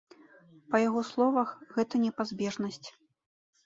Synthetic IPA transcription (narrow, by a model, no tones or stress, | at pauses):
pɐjaɣɔslˠɔvɐxɣɛt̪ɐnʲɛpazʲbʲɛʐnɐsʲt͡sʲ